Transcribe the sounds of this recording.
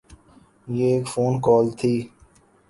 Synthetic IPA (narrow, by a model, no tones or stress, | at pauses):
jeeːkfoːnkɔːlt̪ʰiː